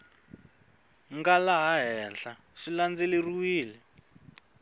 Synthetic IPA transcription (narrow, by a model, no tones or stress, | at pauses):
ŋɡalaɦaɦɛnɬa | ʂiland͡zeleruwiːlɛ